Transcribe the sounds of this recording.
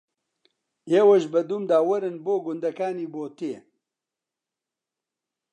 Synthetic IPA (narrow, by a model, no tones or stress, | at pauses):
jeːwɐʒbɐd̪umd̪aːwɐɾɨnboːɡʊnd̪ɐkaːniːboːt̪eː